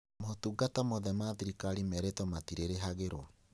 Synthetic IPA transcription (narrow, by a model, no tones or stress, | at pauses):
motuɡatamoðɛmaðiɾikaɾimɛɾetɔmatiɾeɾeɦaɣeɾwɔ